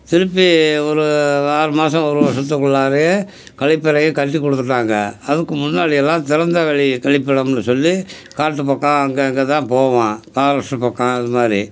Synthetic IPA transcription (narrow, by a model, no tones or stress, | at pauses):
t̪ɪɾɯpːiɔɾɯaːɾɯmaːs̬ɐ̃ɔɾɯʋɐsɐt̪̬ːɯkːɔɭːaːɾɐje | kɐɭɪpːɐɾɐjɐ̃kɐʈːikːɔɽɯt̪ːɯʈːaːŋɡɐɐðɯkːɯmʊnːaːɽɪjɛlːãːt̪ɪɾɐnd̪ɐʋɛɭikɐɭɪpːɐɽɐmnːɯsɔlːi | kaːʈːɯpɐkːãːɐŋɡeɐŋɡeːt̪ãːpoːʋãːpaːɾɐsʈɐpːɐkːãːɪðɯmaːɾi